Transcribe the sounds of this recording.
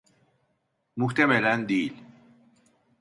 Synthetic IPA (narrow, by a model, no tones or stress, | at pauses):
muht̪ameland̪iːl